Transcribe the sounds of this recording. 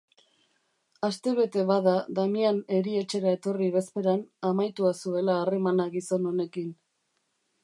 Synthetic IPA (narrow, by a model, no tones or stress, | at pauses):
ast̪e̞βe̞t̪e̞βaðaðamiane̞ɾie̞t͡ʃe̞ɾae̞t̪o̞riβe̞spe̞ɾanamajt̪uasue̞laːre̞manaɣiso̞no̞ne̞kin